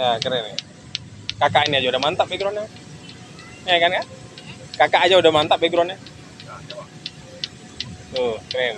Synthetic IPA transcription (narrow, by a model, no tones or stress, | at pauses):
jakəɾɪŋna | kakaʔiniad͡ʒaudahmant̪aʔbeɡɾɔnɲa | ɲakankaʔ | kakaʔːd͡ʒaudahmant̪aʔbeɡɾɔna | okəɾŋn